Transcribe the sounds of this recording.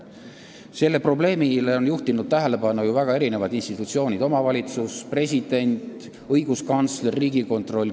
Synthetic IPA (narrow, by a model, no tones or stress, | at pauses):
se̞lːe̞pro̞ble̞ːmileo̞njuht̪inud̪̥̚t̪æɦe̞le̞bɑnːujuvæɡ̥ɑe̞ɾine̞vɑd̪inst̪it̪ːˑut̪sio̞ːnʲid̪o̞mɑvɑlʲit̪suspre̞s̬ʲid̪̥e̞nʲt̪ | ɤ̞jɡ̥uskɑnt̪slrːiːɡ̥iko̞nt̪ro̞lʲ